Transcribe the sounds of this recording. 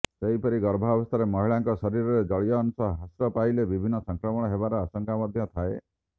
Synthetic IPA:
seɦipɔɾiɡɔɾbʱabɔst̪ʰaɾemɔɦiɭaŋkɔsɔɾiɾɔɾed͡ʒɔɭijɔːnusɔɦasɾɔpajlebibʱinːɔsɔŋkɾɔmɔɽ̃ɔɦebaɾɔasɔŋkamɔd̪ʱjɔt̪ʰae

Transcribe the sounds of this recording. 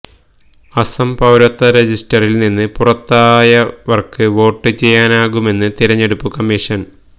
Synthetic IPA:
ɐsɐmpɐwɾɐt̪ːɐɾed͡ʑisʈɐrilninːɨpurɐt̪ːaːjɐʋɐrkɨʋo̞ːʈːɨt͡ɕe̞jːaːnaːɣume̞nːɨt̪iɾɐɲːe̞ɽupːukɐmːiʂɐn

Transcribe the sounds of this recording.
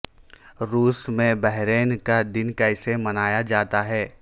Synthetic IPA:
ɾuːsmẽbɛɦɾeːnkad̪ɪnkɐɪsemɐnaːjad͡ʒaːt̪aɦɛː

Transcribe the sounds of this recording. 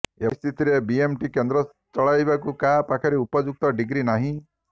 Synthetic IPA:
est̪ʰit̪iɾebiemʈikend̪ɾɔ | t͡ʃɔɭajbakukapakʰɔɾiupɔd͡ʒuk̚t̪ɔɖiɡɾinaɦĩ

